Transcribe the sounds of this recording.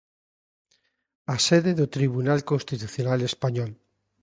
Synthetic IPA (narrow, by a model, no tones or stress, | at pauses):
aseðeðot̪ɾiβ̞unalkonst̪it̪uθjonalespaɲɔl